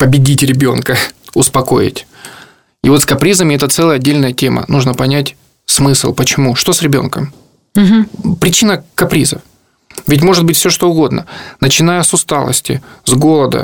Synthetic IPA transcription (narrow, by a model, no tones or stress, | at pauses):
pəbʲɪdʲitʲɾʲɪbʲo̞̰nkəʊspɐko̞̰ɪ̰tʲ | ivo̞t̪skɐpɾʲizəmʲɪɛt̪ət̪sɛlˠəjəɐdʲːelʲnəjətʲe̞mə̰nuʐnəpɐnʲætʲ | smɨslˠpət͡ɕɪmuʂt̪o̞sɾʲɪbʲo̞̰nkəm | pɾʲɪt͡ɕinəkɐpɾʲizə̰f | vʲɪt̬ʲmo̞ʐɨt̪̚bɨtʲfsʲoʂt̪o̞ʊɡo̞d̪nə̰nət͡ɕɪnajəsʊst̪alˠə̰sʲtʲɪ̰zɡo̞lˠəd̪ə̰